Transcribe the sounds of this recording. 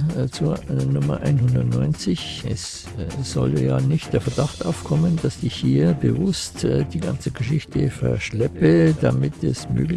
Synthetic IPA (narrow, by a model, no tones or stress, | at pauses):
t͡suːɐnʊmɐ̰ʔa̰ɪnhʊndɐtnɔʏnt͡sɪçɛ̰s | z̥ɔ̰ljaːnɪçt̚d̥eːɐfɛɐdaxtʔaʊfkʰɔməndasdɪçhiːɐbəvʊstːd̥iːɡa̰nt͡səɡəʃɪçtʰəfɛ̰ɐʃlɛpədamɪtɛsmø̰ːɡl